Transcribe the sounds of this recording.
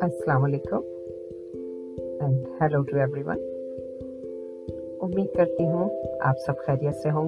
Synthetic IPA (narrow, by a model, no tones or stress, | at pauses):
ɐsːɐlaːmɐleːkʊ̃m | ɛ̃nɖhɛloːʈuɛʋɾiʋɐ̰̃n | ʊmːiːd̪̚kɐɾt̪iɦũa̰ːpsɐbxɛːɾijət̪seɦõː